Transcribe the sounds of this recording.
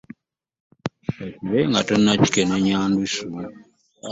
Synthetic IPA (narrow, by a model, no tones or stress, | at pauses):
eciβeŋɡatonːaci̥keneɲaːndusu